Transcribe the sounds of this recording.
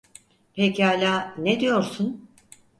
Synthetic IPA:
pʰecalʲaːned̪ijo̞ɾsun

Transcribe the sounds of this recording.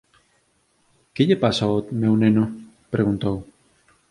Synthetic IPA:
keʎepasaot̪mewnẽno | pɾeɣunt̪ow

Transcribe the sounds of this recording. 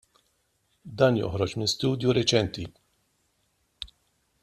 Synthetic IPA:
d̪ɐːnjɔ̰ħɾɔd͡ʒmɪst̪uːd̪juɾɛt͡ʃɛnt̪i

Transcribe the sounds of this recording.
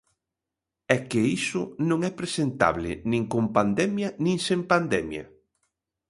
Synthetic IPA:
ɛkɪisʊnõŋɛpɾesent̪a̰βlɪ̰nĩŋkompand̪ɛmjɐnĩŋsempand̪ɛmjɐ̰

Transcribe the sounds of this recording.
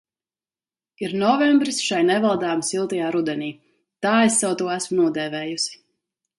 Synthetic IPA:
iɾnɔvɛmbɾisʃajnɛvalˠd̪aːmsilˠt̪ijaːɾud̪ɛniː | t̪aːesːawt̪uɔæsmunuɔd̪ɛːvɛːjusi̥

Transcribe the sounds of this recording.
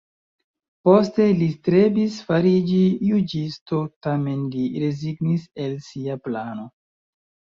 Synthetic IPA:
po̞ste̞listɾe̞bisfaɾid͡ʒijud͡ʒisto̞tame̞nliɾe̞ziɡnise̞lsiaplano̞

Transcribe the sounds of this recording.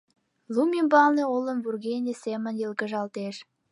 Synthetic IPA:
lumimbɑlneolə̆mvurɣenʲesemə̆njəlkə̆ʒɑlt̪eʃ

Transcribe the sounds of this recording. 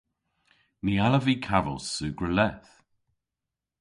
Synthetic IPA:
nialəviːkʰavə̰lˠsʉːɡɹəlɛθ

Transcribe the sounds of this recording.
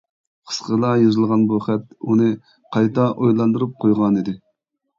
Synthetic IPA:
qʰə̥sqəlˠɑjozɨlˠʁɑnbuχɛt̪unɨ | qʰɑjt̪ɑʔojlˠɑnd̪ɨɾup̚qʰojʁɑnid̪ɪ

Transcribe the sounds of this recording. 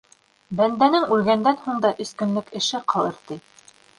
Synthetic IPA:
bænd̪ænɘŋʉlɡænd̪ænhuɴd̪ɑʔɵ̆skɵ̆nlɵkɘ̆ʃɘqʰɑlˠɤ̆ɾt̪ɤ

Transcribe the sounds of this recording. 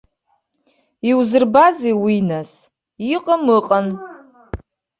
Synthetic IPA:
iwzɨrbazewinas | iqʼəmɨqʼan

